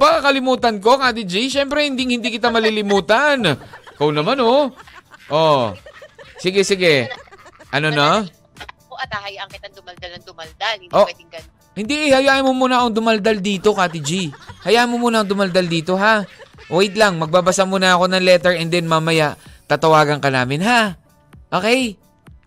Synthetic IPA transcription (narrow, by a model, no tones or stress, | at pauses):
pakakɐlɪmuːt̪ɐnko̞kat̪id͡ʒiʃɛmpɾɛhɪnd̪iŋhɪnd̪ikɪt̪amɐlilɪmuːt̪ɐnkownɐmano | ʔo | sɪɡɛsɪɡɛ | ʔɐnono | ɐt̪ahɐjaʔɐŋkɪt̪ad̪ʊmɐld̪alɐd̪ʊmɐld̪alʔoɡɐ | hɪnd̪iʔɪhɐjaːʔɐmomuːnɐkoŋd̪ʊmɐld̪ald̪iːt̪o̞kat̪id͡ʒihɐjaʔɐnmomuːnɐŋd̪ʊmɐld̪ald̪iːt̪o̞ɦawɛjt̪laŋmɐɡ̚babɐsamunɐɐko̞nɐŋlɛt̪ɛɹɛnd̪ɛnmamɐjaʔt̪at̪ɐwaːɡɐŋkɐnaːmɪnɦa | ʔo̞ːkɛj